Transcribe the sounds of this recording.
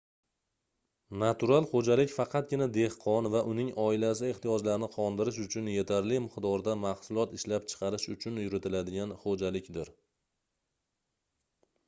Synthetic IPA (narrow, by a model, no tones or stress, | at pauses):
nat̪ʰuɾalˠχod͡ʒalɪkʲfɑqʰɑt̪̚ɡʲɪnad̪e̞hqʰɒnvaʔʊnɪŋʔɒɪlas̬ɪe̞ht̪ijɒd͡ʒlaɾnɪqʰɒnd̪ɪɾɪʃ̬ʊt͡ʃʰʊnje̞t̪ʰaɾlɪmɪqd̪ɒɾd̪amahsʊlˠɒt̪ɪʃlapt͡ʃʰɨ̥qʰɑɾɪʃʊt͡ʃʰʊnjʊɾɪt̪ʰɪlad̪ɪɡʲanχod͡ʒalɪkʲd̪ɪɾ